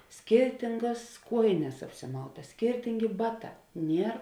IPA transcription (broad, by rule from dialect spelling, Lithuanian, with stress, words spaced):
ˈsʲkʲɪrʲtʲɪŋɡɐs ˈkuɔjɪnʲɛs ɐpʲsʲɪˈmɐʊtɐs ˈsʲkʲɪrʲtʲɪŋʲɡʲɪ ˈbɑːˌtɑː ˈnʲiɛr